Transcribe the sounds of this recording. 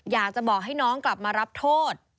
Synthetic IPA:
jaː˨˩k̚t͡ɕa˨˩bɔː˨˩k̚ɦa˥˩jnɔː˦˥ŋkla˨˩p̚maː˧ɾa˦˥p̚t̪ʰoː˥˩t̪̚

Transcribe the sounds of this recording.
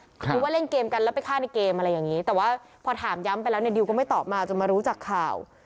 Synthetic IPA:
u˦˥waː˥˩le˥˩nkeː˧mka˧lɛ˦˥wpa˨˩jkʰaː˥˩na˧jkeː˧mʔa˧ɾa˧jːaː˨˩ŋiː˦˥t̪ɛː˨˩waː˥˩pʰɔː˧t̪ʰaː˩˦mja˦˥mpa˧jlɛː˦˥wni˥˩di˧wkɔː˥˩ma˥˩t̪ɔː˨˩p̚maː˧t͡ɕo˧nmaː˧ɾuː˦˥t͡ɕaː˨˩kʰːaː˨˩w

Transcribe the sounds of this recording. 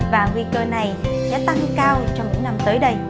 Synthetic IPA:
vaː˨˩ŋwi˧kəː˧na˨˩jsɛ̰ː˧˥t̪a˧ŋkaː˧wt͡ɕɔ˧wŋ͡mt̪i˨˦na˧mt̪əː˨˦jɗə˧j

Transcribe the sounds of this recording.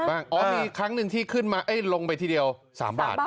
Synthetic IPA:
baː˥˩ŋʔɔː˨˦miː˧kʰɾa˦˥ŋnɯ˨˩ŋt̪ʰiː˥˩kʰɯ˥˩nmaː˧ʔɤ˦˥˩jlo˧ŋpa˧jt̪ʰiː˥˩di˧əwsa̰ː˩˦mba̰ː˨˩t̪̚

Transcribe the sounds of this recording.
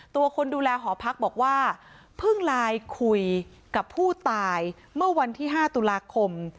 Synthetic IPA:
t̪u˧ɐkʰo˧nduː˧lɛː˧ɦɔː˩˦pʰa˦˥k̚bɔː˨˩k̚waː˥˩ | pʰɯ˥˩ŋlaː˧jkʰu˧j | ka˨˩pʰːuː˥˩t̪aː˧j | mɯ˥˩ɐwa˧nt̪ʰiː˥˩ɦaː˥˩t̪u˧laː˧kʰo˧m

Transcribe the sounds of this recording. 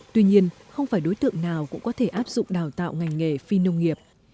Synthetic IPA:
t̪wi˧ɲi˧ənxə˧wŋ͡mfaː˧˩jɗo˨˦jt̪ɨ̰˧˨əŋnaː˨˩wkʊ̰˧˥ŋ͡mkɔ˨˦t̪ʰe˧˩ʔaː˦˥p̚zʊ̰˧˨ŋ͡mɗaː˨˩wt̪a̰ː˧˨wŋa˨˩jŋ̟ŋe˨˩fi˧nə˧wŋ͡mŋi˨˩əp̚

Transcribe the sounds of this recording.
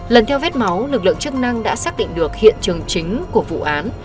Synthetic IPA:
lə˨˩nt̪ʰɛ˧wvɛ˦˥t̚ma˨˦wlɨ˨˩k̚lɨ̰˧˨ə˨ŋt͡ɕɨ˦˥k̚na˧ŋɗa̰ː˧˥saː˦˥k̚ɗḭ˧˨ŋ̟ɗɨ˨˩ək̚hḭ˧˨ənt͡ɕɨ˨˩əŋt͡ɕï˨˦ŋ̟ku˧˩əvṵ˧˨ʔaː˨˦n

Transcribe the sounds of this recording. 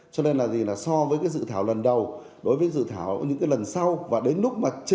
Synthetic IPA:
t͡ɕɔ˧ne˧nlaː˨˩zi˨˩laː˨˩sɔ˧vəː˨˦jkaː˨˦js̬ɨ̰˧˨t̪ʰaː˧˩wlə˨˩nɗə˨˩w | ɗo˨˦jvəː˨˦jzɨ̰˧˨t̪ʰaː˧˩wɲɨ̰˧˥ŋkaː˨˦jlə˨˩nsa˧wvaː˨˩ɗe˨˦nlʊ˦˥k͡p̚maː˨˩t͡ɕ

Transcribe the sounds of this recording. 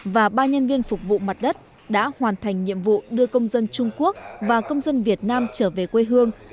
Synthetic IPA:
vaː˨˩ɓaː˧ɲə˧nvi˧ənfʊ˨˩k͡p̚vṵ˧˨ma˨˩t̚ɗə˦˥t̚ | ɗa̰ː˧˥hwaː˨˩nt̪ʰa˨˩jŋ̟ɲḭ˧˨əmvṵ˧˨ɗɨ˧əkə˧wŋ͡mzə˧nt͡ɕʊ˧ŋ͡mku˦˥ək̚vaː˨˩kə˧wŋ͡mzə˧nvi˨˩ət̚naː˧mt͡ɕəː˧˩ve˨˩kwe˧ɦɨ˧əŋ

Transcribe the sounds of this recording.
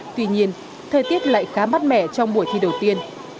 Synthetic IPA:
t̪wi˧ɲi˧ən | t̪ʰəː˨˩jt̪i˦˥ət̚la̰ː˧˨jxaː˨˦ma˦˥t̚mɛ̰˧˩t͡ɕɔ˧wŋ͡mɓu˧˩əjt̪ʰi˧˨ɗə˨˩wt̪i˧ən

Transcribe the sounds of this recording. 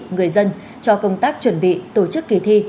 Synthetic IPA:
ŋɨ˨˩əjzə˧n | t͡ɕɔ˧kə˧wŋ͡mt̪aː˦˥k̚t͡ɕwə˧˩nɓḭ˧˨t̪o˧˩t͡ɕɨ˦˥kːi˧˩t̪ʰi˧

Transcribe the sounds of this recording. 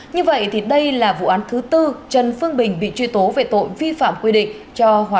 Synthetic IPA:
ɲɨ˧və̰˧˨jt̪ʰi˨˩ɗə˧jlaː˨˩vṵ˧˨ʔaː˨˦nt̪ʰɨ˨˦t̪ɨ˧t͡ɕə˨˩nfɨ˧əŋɓï˨˩ŋ̟ɓḭ˧˨t͡ɕwi˧t̪o˨˦ve˨˩t̪o̰˧˨jvi˧fa̰ː˧˨mkwi˧ɗḭ̈˧˨ŋ̟ | t͡ɕɔ˧ɦwaː˨˦

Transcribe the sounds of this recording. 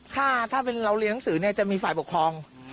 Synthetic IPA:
t̪ʰaː˥˩t̪ʰaː˥˩pe˧nɾa˧wli˧˦˥na˥ŋsɯː˩˦ni˥˩t͡ɕa˨˩ʔmiː˧faː˨˩jpo˨˩kʰɾɔː˧ŋ

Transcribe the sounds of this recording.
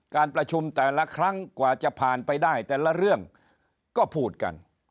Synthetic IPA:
kaː˧npɾa˧t͡ɕʰu˧mt̪ɛː˨˩la˦˥kʰɾa˦˥ŋkwaː˨˩t͡ɕa˨˩pʰaː˨˩npa˧jdaː˥˩jt̪ɛː˨˩la˦˥ɾɯ˥˩əŋ | kɔː˥˩pʰuː˥˩t̪̚ka̰˧n

